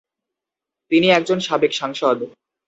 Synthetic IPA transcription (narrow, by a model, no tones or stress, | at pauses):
t̪iniɛk̚d͡ʑonʃabekʃaŋʃod̪